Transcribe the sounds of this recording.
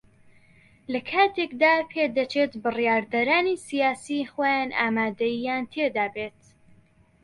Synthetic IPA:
lɐkʰaːt̪ʰekd̪aːpʰeːd̪ɐt͡ʃʰeːt̪bɨrjaːɾd̪ɐɾaːnisijaːsixojaːna̰ːmaːd̪ɐjijaːnt̪ʰed̪aːbeːt̪

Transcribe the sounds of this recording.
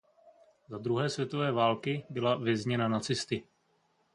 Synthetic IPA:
zad̪ɾuɦɛːsvjɛt̪o̞vɛːvaːlkɪbɪlavjɛzɲɛnanat͡sɪst̪ɪ

